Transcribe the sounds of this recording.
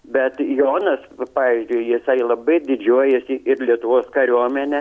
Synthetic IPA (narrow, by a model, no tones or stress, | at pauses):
bʲɛt̪joːnɐspɑːʋʲiɪzʲd͡ʒʲʊɪjɪsɐɪlˠɐbɐɪd̪ʲɪd͡ʒʲuɔjɛsʲɪʔɪɾlʲiɛt̪ʊʋoːskɐɾʲuɔmʲɛnʲɛ